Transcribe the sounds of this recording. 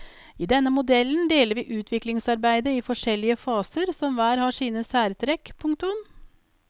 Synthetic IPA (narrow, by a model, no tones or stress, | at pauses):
iːd̪ɛnːəmʊd̪ɛlnd̪eːləɾʋiːʔʉːt̪ʰʋɪklɪŋsɑɾbæɪd̪əɪfɔʂɛlːɪəfɑːsəɾsɔmʋæːɾhɑːʂiːnəsæːɾt̪ʰɾɛkpʰʊŋkt̪ʊn